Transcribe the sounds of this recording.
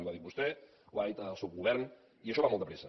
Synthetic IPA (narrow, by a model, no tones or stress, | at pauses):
uβaðik̚bust̪ɛ | uβait̪alˠsup̚ɣuβɛɾn | iəʃɔβamɔlˠt̪d̪əpɾɛsə